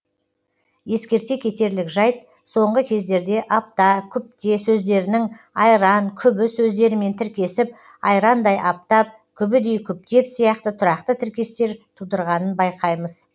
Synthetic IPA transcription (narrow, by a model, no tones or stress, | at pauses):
je̞skʲe̞ɾt̪e̞kʲʰet̪e̞ɾlɪkʒɑjt̪̚ | so̞ɴʁəkʲʰe̞zd̪e̞ɾd̪e̞ʔɑp̚t̪ɑkʲʰʏp̚t̪e̞sɵzd̪e̞ɾɪnɪŋ | ɑjɾɑŋkʲʰʏbɪsɵzd̪e̞ɾɪme̞nt̪ʰɪɾkʲe̞sɪp | ɑjɾɑnd̪ɑjʔɑp̚t̪ɑp̚ | kʲʰʏbɪd̪e̞jkʲʰʏp̚t̪e̞psijɑqt̪ət̪ʰʊɾɑqt̪ət̪ʰɪɾkʲe̞st̪e̞ɾt̪ʰud̪əɾʁɑnənbɑjqʰɑjməz̥